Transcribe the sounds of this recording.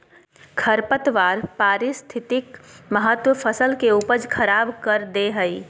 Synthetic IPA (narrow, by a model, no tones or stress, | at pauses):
kʰəɾpət̪ʋaːɾpaːɾɪst̪ʰɪt̪ɪkməɦət̪wəpʰəsəlkeuːpəd͡ʒkʰəɾaːbkəɾd̪eɦəi